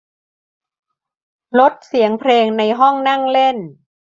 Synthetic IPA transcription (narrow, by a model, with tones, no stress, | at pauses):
lo˦˥t̪̚si˩˦əŋpʰleː˧ŋna˧jɦɔ˥˩ŋna˥˩ŋle˥˩n